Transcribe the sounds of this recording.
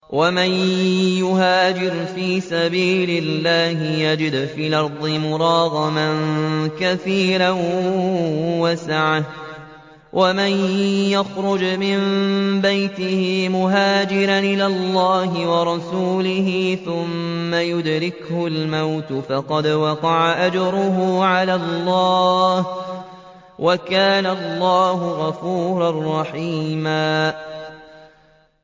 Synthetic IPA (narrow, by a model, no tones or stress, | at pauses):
wamanjʊɦaːd͡ʒɪɾfiːsabiːlɪlːaːhɪjad͡ʒɪd̪fiːlʔɑɾˤd̪ˤɨmʊɾˤɑːɣɑmankaθiːɾan | wasaʕa | wʔamanjaxɾʊd͡ʒmɪmbajt̪ɪhɪmʊɦaːd͡ʒɪɾanʔɪlaːlˤːaːɦɪwɑɾˤɑsuːlɪhɪθʊmːajʊd̪ɾɪkhʊlmawt̪fɑqɑd̪wɑqɑʕaʔad͡ʒɾʊɦuːʕalaːlːɑːh | wʔakaːnalːɑːɦʊɣɑfuːɾɑrˤːɑħiːmaː